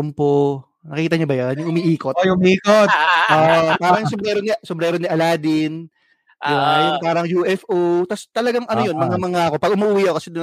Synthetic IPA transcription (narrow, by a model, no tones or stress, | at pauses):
ʊmpo | nɐkiːt̪ɐɲobɐjonjʊŋʔʊmiʔiːkotʊmiːkot̪ʔoʔopaːɾɐŋsʊbɾɛːɾonisʊbɾɛːɾoniʔɐlaːd̪ɪn | jajpaːɾɐŋjuːʔɛfʔot̪ast̪ɐlɐɡaŋʔɐnojo̞nmɐŋamɐŋaɐko̞pɐɡ̚ʊmʊʔʊwiːʔɐkokɐsɛd̪